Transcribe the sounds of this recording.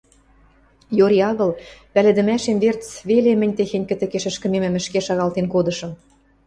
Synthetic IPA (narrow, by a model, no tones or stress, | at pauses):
joɾiɑɣɤ̆lpælĕd̪ə̆mæʃemβert͡sβelemə̆nʲt̪exenʲkə̆t̪ɘ̆keʃɘ̆ʃkə̆memɘ̆mə̆ʃkeʃɑɣɑlt̪enkod̪ɤ̆ʃɤ̆m